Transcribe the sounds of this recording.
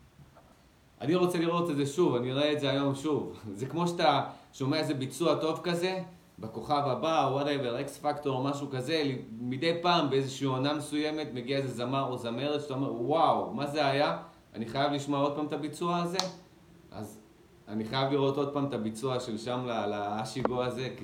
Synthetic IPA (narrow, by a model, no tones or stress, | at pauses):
ʔa̰niʁo̞t͡se̞liʁo̞tezeʃuvaniʁaeːtzeajo̞mʃuvzekmo̞ʃataʃo̞meaeze̞bit͡suato̞vkaze̞ | beko̞χavabawadaeveʁeksfakto̞ʁomaʃukaze̞limid̪e̞jpaːmbeezeʃiːonamesuje̞me̞tme̞ɡiaezezamaʁozame̞ʁet͡staomeʁwawmaze̞aja | a̰niχajavliʃmoao̞d̚paːmt̪abit͡suaːze̞ | ʔa̰z | a̰niχajavliʁo̞to̞d̪̚paːmt̪abit͡suaʃe̞lʃamlalaːʃiɡoaze̞ki